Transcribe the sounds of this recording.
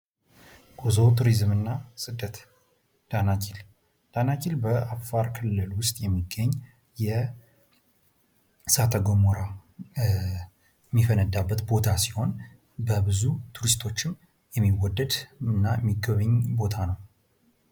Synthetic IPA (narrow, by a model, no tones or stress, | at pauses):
ɡ̥uzowt̪ʰuɾizmɨnːasʼɨd̪ːət̪ | d̪̥anat͡ʃʰil | d̪̥anat͡ʃilbəafaɾkʰɨlːɨlwʊst̪ʼjɛmːiɡːəɲː | jɛ | sat̪ʰəɡomoɾa | mːifənəd̪abːət̪bo̞t̪ʰasiho̞n | bəbɨzut̪ʰuɾist̪ʰo̞t͡ʃːɪm | jɛmːiwɔd̪ːəd̪ɨnːajɛmːiɡːəβəɲːbo̞t̪ʰanəw